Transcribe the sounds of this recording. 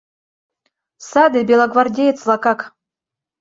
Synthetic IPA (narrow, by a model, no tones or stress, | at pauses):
sad̪ɨbʲelˠaɡvard̪ʲejt̪slˠɑkɑk